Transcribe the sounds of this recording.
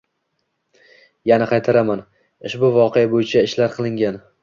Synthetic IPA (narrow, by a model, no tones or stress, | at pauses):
janaqʰɑjt̪ʰaɾaman | ɪʃbʊvɒqʰeabojɪt͡ʃʰaɪʃlaɾqʰɨlˠɪŋɡʲan